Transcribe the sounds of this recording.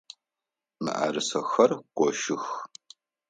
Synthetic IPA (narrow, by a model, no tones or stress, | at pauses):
mɨ̰ʔa̰ːɾɨsɐxɐrqʷʼɔʃɪx